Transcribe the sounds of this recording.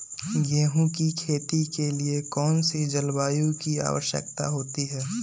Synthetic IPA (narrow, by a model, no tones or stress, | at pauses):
jeɦũkikʰeːt̪ikeliekɔːnsid͡ʒɐlbaːjõkia̰ːʋə̰ʃjə̰k̚t̪a̰ɦoːt̪iɦɛː